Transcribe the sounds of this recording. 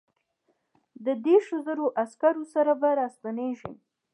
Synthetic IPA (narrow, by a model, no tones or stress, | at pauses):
d̪əd̪eɾʃozəɾoʔaskaɾosaɾabaɾɑst̪aneʒḭm